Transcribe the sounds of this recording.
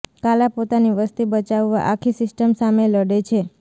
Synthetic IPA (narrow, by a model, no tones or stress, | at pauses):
kalapot̪aniʋəst̪ibət͡ʃaʋʋaʔakʰisɪsʈəmsameləɽet͡ʃʰe